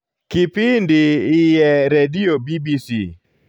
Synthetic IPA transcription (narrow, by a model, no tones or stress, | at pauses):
kipɪndɪɪjɛɾediobibisi